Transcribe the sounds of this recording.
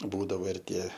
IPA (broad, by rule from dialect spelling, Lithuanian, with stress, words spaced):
ˈbuːdɐʋoː ɪr ˈtʲiɛ